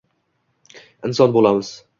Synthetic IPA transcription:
ɪnsɒnbolˠamɪz̥

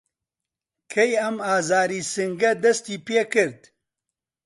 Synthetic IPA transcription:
kʰejɐmaːzaːɾiːsɨŋɡɐd̪ɐst̪iːpeːkɨɾd̪

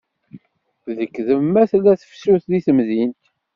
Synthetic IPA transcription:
ðəkːðəmːæθlæθə̥fsuθðiθəmðint̪

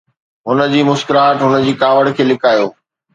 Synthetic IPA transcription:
ɦʊnə̆d͡ʑiːmʊskəɾaːʈɦʊnə̆d͡ʑiːkaːʋəɽkʰeːlɪkaːjoː

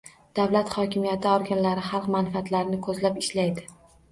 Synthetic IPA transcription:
d̪̥avlat̪χɒkʲʰɪmijat̪ʰɪɒɾɡʲanlaɾɪχɑlˠqmanfat̪laɾɪnɪkʰɵzlapɪʃlajd̪ɪ

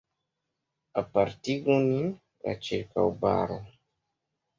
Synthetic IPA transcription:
apaɾtiɡoni | la̰t͡ʃiɾkawba̰ɾo

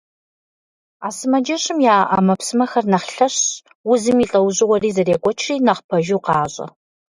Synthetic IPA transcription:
aːsɨmɐd͡ʒɐɕɪmjaːʔa̰ːmɐpsɨmɐxɐrnɐχɬɐɕ | wʊzɨmiːɬʼɐwʑʼɪwɐriːzɐreːɡʷʼɔt͡ʃʰriːnɐχpʰɐʒuwqɑːɕʼɐ̰

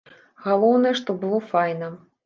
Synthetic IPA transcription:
ɣalˠɔwnɐjɛʂt̪ɔbɨlˠɔfajnɐ

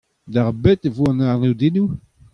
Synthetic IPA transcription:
d̪aʁbet̪evuãnaʁnid̪inu

